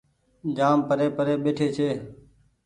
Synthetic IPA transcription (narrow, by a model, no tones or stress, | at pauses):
d͡ʒaːmpəɾeːpəɾeːɓeːʈʰeːt͡ʃʰeː